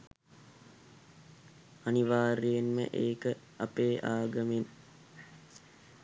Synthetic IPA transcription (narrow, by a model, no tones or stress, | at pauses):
ɐniʋaːɾejenmə̰ʔeːkə | ɐpeːʔaːɡɐmen